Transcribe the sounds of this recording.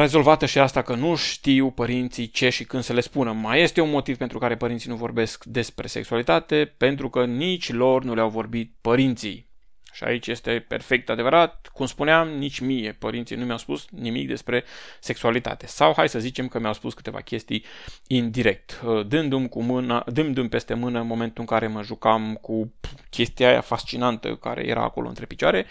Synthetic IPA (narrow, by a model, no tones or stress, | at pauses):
ɾe̞zo̞lvat̪əʃiast̪akənuʃt̪iwpəɾint̪sijt͡ʃe̞ʃikɨnd̪səle̞spunəmaje̞st̪e̞unmo̞t̪iv̥pent̪ɾukaɾe̞pəɾint̪inuvo̞rbe̞skd̪e̞spɾe̞seksualit̪at̪e̞pe̞nt̪ɾukənit͡ʃʲlo̞rnuleawvo̞rbit̪̚pəɾint̪sḭj | ʃia̰it͡ʃʲje̞st̪e̞pe̞̰rfe̞k̚t̪ad̪e̞vəɾat̪̚kumspuneamnit͡ʃʲmije̞pəɾint̪sijnumʲjawspusnimḭk̚d̪e̞spɾe̞se̞ksualit̪a̰t̪e̞sawhajsəzit͡ʃe̞mkəmiawspuskɨ̥t̪e̞va̰kʲe̞st̪ijind̪iɾe̞k̚t̪d̪ɨnd̪umkumɨnad̪ɨmd̪umpe̞st̪e̞mɨnəɨnmo̞me̞nt̪uɨŋkaɾe̞məʒukamkukʲʰe̞st̪iaja̰fast͡ʃinant̪ə̰ka̰ɾḛjḛɾa̰ːko̞lo̰ɨnt̪ɾepi̥t͡ʃoaɾe̞